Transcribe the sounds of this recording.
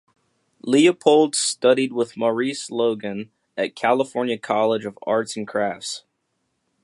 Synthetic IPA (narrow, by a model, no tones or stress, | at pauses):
liɨpʰoʊlˠdstʌɾid̚wɪðmə˞isloʊɡɨ̃n | ɨt̚kʰælˠəfɔɹnjɨkʰɑlˠəd͡ʒʌvɑ̰ɹtsn̩kʰɹ̥æfts